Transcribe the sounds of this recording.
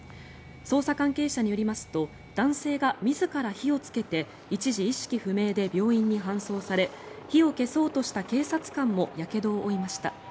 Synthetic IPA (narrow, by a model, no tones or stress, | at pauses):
so̞ːsakãŋke̞ːɕaɲ̟ijo̞ɾʲimasɨ̥t̪o̞ | d̪̥ãɰ̃se̞ːɡamʲizɨkaɾaçio̞t͡sɨ̥ke̞t̪e̞ | it͡ɕiʑiːɕi̥kʲiɸɯ̟me̞ːd̪e̞bʲo̞ːĩɲ̟ːiɦãɰ̃so̞ːsaɾe̞ | çio̞ke̞so̞ːt̪o̞ɕi̥t̪ake̞ːsat͡sɨ̥kãmːo̞jake̞d̪o̞ːʔːimaɕi̥t̪a̰